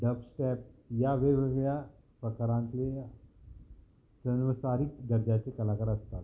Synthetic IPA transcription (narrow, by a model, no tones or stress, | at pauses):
ɖəpsʈɛp̚jaʋeʋeʋja | pɾəkɾãnt̪le | sənʋəsaɾik̚d̪əɾd͡ʑat͡ɕekəlakəɾəst̪at̪